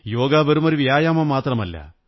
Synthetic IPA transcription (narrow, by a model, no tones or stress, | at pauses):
jo̞ːɡaːʋɐɾumoɾuʋjaːjaːmɐmaːt̪rɐmɐlːɐ̰